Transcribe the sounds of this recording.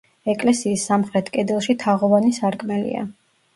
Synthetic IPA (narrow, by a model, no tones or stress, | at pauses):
ɛkʼlɛsiːsːamχɾɛt̪ʰkʼɛd̪ɛlˠʃit̪ʰaʁɔvanisaɾkʼmɛlḭa̰